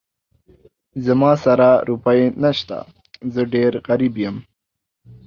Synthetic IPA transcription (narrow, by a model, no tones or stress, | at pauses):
zamɑsaɾaɾupajenaʃt̪a̰ | zəɖeɾɣaɾibjəm